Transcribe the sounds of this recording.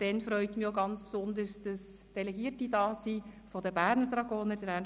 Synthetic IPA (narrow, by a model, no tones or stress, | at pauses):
d̥ɛnfɾœʏt̪mioɡɑnt͡spsʊnd̪əɾsd̥ɑsd̥ɛlɛɡiːərtidɑːsi | fɔdəbæːɾnəd̪ɾɑɡoːnədəɾæn